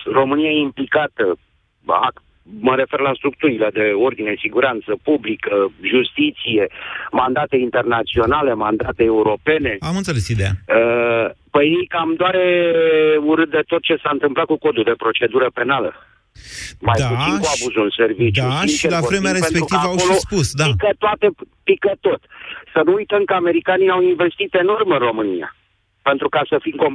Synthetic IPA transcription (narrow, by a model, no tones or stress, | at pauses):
ro̞mɨnijaimplikat̪ə | a̰k | məɾe̞fe̞rlast̪ɾuk̚t̪uɾiled̪e̞o̞rd̪ine̞siɡuɾant̪səpublikəʒust̪it̪sije̞mand̪at̪e̞int̪e̞rnat̪sio̞nale̞mand̪at̪eːuɾo̞pe̞ne̞amɨnt̪seesid̪eja̰əpəjnikamd̪oaɾe | uɾɨt̪̚d̪et̪o̞t̪̚t͡ʃe̞saɨnt̪ɨmplat̪̚kuko̞d̪uld̪e̞pɾo̞t͡ʃe̞d̪uɾəpe̞nalə | majd̪paut̪iŋkuabuzuɨnse̞rvidt͡ʃ̪auiit͡ʃelafɾemeaɾeenpeɾkut̪iavəawolospusd̪aikət̪oat̪e̞pikət̪o̞t̪sənuujt̪əmkəame̞ɾikaniawinve̞st̪it̪e̞no̞rmɨnro̞mɨnija̰ | pe̞nt̪ɾukasəfimko